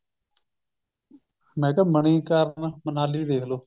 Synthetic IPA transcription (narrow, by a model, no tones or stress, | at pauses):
mɛ̃ːkəːməɳiːkəɾnmənaːliːd̪eːkʰloː